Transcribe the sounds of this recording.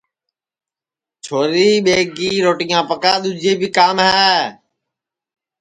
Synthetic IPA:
t͡ʃʰoːɾiːɓeːɡiːɾoːʈĩːãːpəkaːɗ̪ʊd͡ʒeːbɪkaːmɦɛː

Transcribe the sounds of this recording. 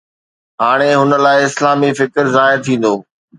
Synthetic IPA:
ɦaːɽ̃eɦʊnə̆laːɪɪslaːmifɪkɾzaːɪɾt̪ʰĩːn̆d̪oː

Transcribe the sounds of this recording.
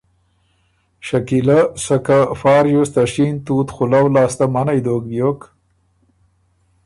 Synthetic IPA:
ʃakilasakafɑːɾjust̪aʂint̪uːt̪xʊlawlɑːst̪amanajd̪oːk̚b̪jok

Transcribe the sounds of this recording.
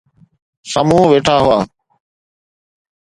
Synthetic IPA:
səmũːʋeːʈʰaːɦʊaː

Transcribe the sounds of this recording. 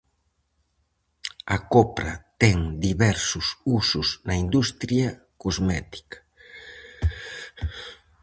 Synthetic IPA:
ɐkopɾɐ̰t̪ɛŋd̪iβɛɾsʊsusʊsnɐind̪ust̪ɾjɐ | kozmɛt̪i̥kḁ

